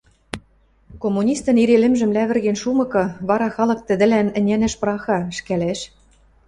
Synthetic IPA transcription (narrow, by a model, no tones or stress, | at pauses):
komːunʲist̪ɤ̆niɾelɘ̆mʒɘ̆mlæβɘ̆rɣenʃumɤ̆kɤ̆βɑɾɑxɑlɤ̆k̚t̪ɘ̆d̪ɘ̆lænɘ̆nʲænɘ̆ʃprɑxɑ̆ʃkælæʃ